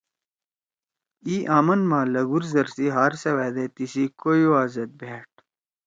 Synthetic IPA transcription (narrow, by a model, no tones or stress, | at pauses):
iːʔaːmɐnmãːlɐɡuɾzɐɾsiɦaːɾsɐweːd̪et̪isikojuaːzɐt̪̚bʱeːʈ̚